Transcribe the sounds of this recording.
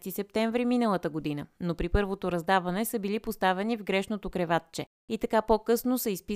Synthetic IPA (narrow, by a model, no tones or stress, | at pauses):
t̪isɛp̚t̪ɛɱvɾiminəlˠət̪əɡod̪inənopɾipɤɾvot̪oɾɐzd̪avɐnɛsəbilipost̪avɛnivɡɾɛʃnot̪okɾɛvat̪̚t͡ʃɛ | it̪ɐkapokɤsnosəispi